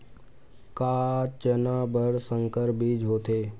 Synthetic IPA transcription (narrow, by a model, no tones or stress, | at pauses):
kaːt͡ʃənaːbəɽsə̃ŋkəɾbʱid͡ʒʱɦoːt̪eː